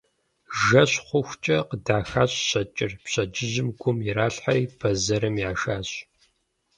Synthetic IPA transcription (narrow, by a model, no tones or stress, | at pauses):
ʒɐɕχʷʊxʷt͡ʃʼɐqədaːxaːɕʼɕɐt͡ʃʼɪrpɕɐd͡ʒɪʑɪmɡʷʊmjɪɾaːɬħariːpʰɐzɐɾɨmjaːʃaːɕ